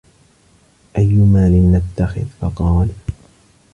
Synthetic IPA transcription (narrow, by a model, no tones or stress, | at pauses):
ʔajːʊmaːlɪnːat̪ːaxɪ̰ðfɑqɑːl